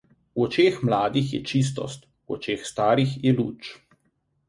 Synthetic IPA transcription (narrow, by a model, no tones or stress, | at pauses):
uɔt͡ʃeːxmlaːd̪ixjɛ̰t͡ʃis̬t̪ɔ̰st̪ | wɔ̰t͡ʃeːxst̪aːɾixjɛlṵːt͡ʃ